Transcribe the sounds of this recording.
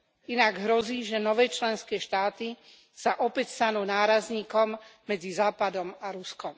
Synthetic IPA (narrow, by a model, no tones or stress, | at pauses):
inaɡɦɾɔziːʒɛnɔʋɛːt͡ʃlɛnskɛːʃt̪aːt̪i | saʔɔpɛcst̪anuːnaːɾazɲiːkɔmː | ɛd͡zizaːpad̪ɔmaɾuskɔm